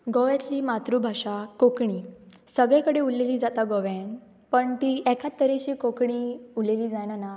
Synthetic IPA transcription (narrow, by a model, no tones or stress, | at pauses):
ɡɔʋjɛt͡s̪liːmat̪ɾubʱaʂakokɳiːsəɡɭɛkəɽeulːeliːd͡zat̪aɡɔʋɛn | pəɳt̪iʔɛkʰat̪ːəɾeɕiːkokɳiuleliːd͡zajnana